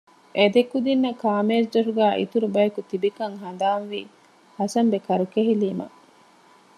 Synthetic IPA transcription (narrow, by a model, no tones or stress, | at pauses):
ʔed̪ekːud̪inːɐkaːmeːsd͡ʒɐʂuɡæːʔḭt̪uɾubɐjɐkut̪ibikɐŋɦɐnd̪aːnʋi | hɐsɐmbekɐɾukeɦiliːmɐ̰